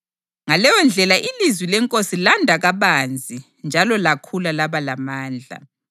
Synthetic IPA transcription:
ŋalɛjɔnd͡ɮʱɛlaʔilizwilɛŋkʼosilandʱaɣaβand͡zʱi | nd͡ʒʱalɔlakʰulalaβalamaːnd͡ɮʱa̰

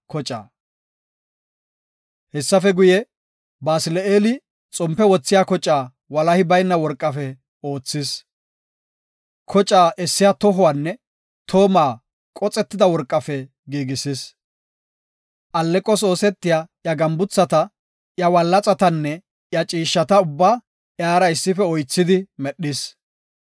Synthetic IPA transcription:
kɔt͡ʃʼa̰ː | hɛsːɐfɛɡʊjɛ | baːsɪlɛeːlɪ | t͡sʼɔmpːɛwɔt͡sːɪjakɔt͡ʃʼːaː | wɐlɐhɪbɐjnːɐwɔɾkʼːɐfɛ | o̞ːt͡sːɪs | kʰɔt͡ʃʼːaːʔɛsːɪjat̪ɔɦʊwaːnːɛ | t̪ʰo̞ːmaː | kʼɔt͡sʼːɛt̪ːɪd̪ɐwɔɾkʼːɐfɛ | ɡiːɡɪsɪs | ʔɐlːɛkʼːɔso̞ːsɛt̪ːɪjaːjɐɡɐmbʊt͡sːɐt̪ɐ | jɐwɐlːɐt͡sʼɐt̪ɐnːɛ | jɐt͡ʃʼiːʃːɐt̪ɐʊbːaː | jaːɾɐɪsːɪfɛɔjt͡sːɪd̪ɪmɛɗːɪs

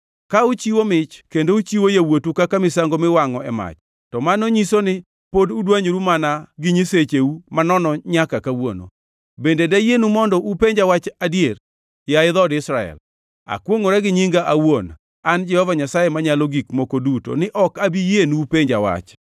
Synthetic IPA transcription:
kaut͡ʃiwomɪt͡ʃkendout͡ʃiwojawotukakamɪsaŋɡomɪwaŋɔɛma̰t͡ʃ | tɔmanoɲisonɪ | podudwaɲɾumanaɡɪɲiset͡ʃeumanɔnɔɲakakawono̰ | bendedajenumɔndɔʔupeɲd͡ʒawat͡ʃadjer | jaɪðɔdɪsɾaɛ̰l | a̰kwoŋoɾɛɡɪɲiŋɡaʔawon | and͡ʒɛhɔvaɲasajemaɲalɔɡikmokoduto̰nɪʔɔkabijenupeɲd͡ʒawa̰t͡ʃ

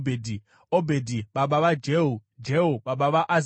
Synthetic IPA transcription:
bedʱi | obʱedʱiɓaɓaʋad͡ʒeɦud͡ʒeɦoɓaɓaʋaʔaz

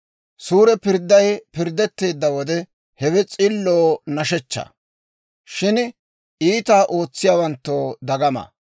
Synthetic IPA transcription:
suːɾɛpɪɾd̪ːɐjpɪɾd̪ːɛt̪ːe̞ːd̪ːɐwɔd̪ɛ | hɛwɛt͡sʼɪlːoːnɐʃɛt͡ʃːɐ̰ | ʃɪn | iːt̪aːʔo̞ːt͡sːɪjaːwɐnt̪ːoːd̪ɐɡɐmɐ̰

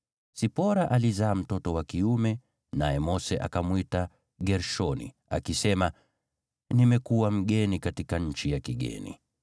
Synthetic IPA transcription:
sipɔɾaʔalizaːm̩tɔtɔwakiumɛ | najɛmɔsɛʔa̰kamwita | ɡɛɾʃɔnḭ | a̰kisɛma | nimɛkuwam̩ɠɛnikatikaɲ̩t͡ʃijakiɠɛ̰nḭ

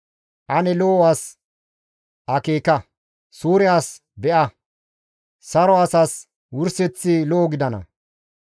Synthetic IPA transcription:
ʔɐnɛloːwaːs | ʔɐkeːkɐ | suːɾɪjaːs | bɛʔɐ | sɐɾɔɐsaːs | wʊɾsɛt͡sːɪlɔːɡɪd̪ɐnɐ̰

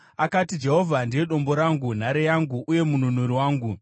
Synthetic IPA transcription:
akatid͡ʒe̞ɦo̞vʱandiwe̞ɗo̞mbo̞ɾaŋɡun̤aɾejaŋɡuʔːje̞mununuɾiwaːŋɡu

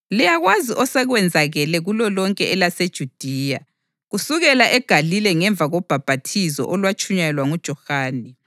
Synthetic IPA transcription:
lijaɣwaziʔɔsɛɣwɛnd͡zʱaɣɛlɛɣulɔlɔŋkʼɛɛlased̥ʒ̥ʱud̥ʱiːja | ɣusuɣɛlaʔɛɡ̥ʱalilɛŋɛɱb̪vʱaɣɔb̥ʱab̥ʱatʰizɔ̰ʔɔlwat͡ʃʰʼuɲajɛlwaŋud̥ʒ̥ʱɔxaːnɛ

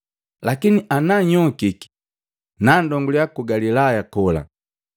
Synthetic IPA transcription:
lakiniʔanaɲɔkiki̥ | nandɔŋɡulijakuɡalilajakɔla̰

